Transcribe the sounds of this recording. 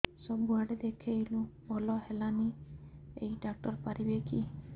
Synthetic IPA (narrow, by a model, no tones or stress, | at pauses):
sɔbuaɽed̪ekʰejlũbʱɔlɔɦelani | ḛjɖak̚ʈɔɾpaɾibekʰi